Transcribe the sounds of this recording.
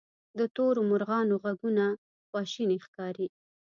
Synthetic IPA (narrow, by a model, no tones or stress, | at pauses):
d̪ət̪oɾomʊɾɣɑnoɣaɡuna | xwɑʃinexkɑɾi